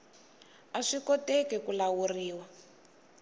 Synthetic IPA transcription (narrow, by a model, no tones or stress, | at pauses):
aʂikɔtɛkɛkulawuriːwa